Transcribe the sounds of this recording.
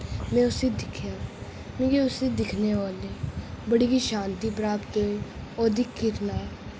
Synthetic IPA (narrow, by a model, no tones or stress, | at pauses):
mɛ̃ːʊsiːd̪ɪkʰjaː | mĩːkeʊsiːd̪ɪkʰneːoːleːbəɽiːkiːʃãːnt̪iːpɾaːpt̪ɦoːiːoːd̪ikʰːɪɾnaː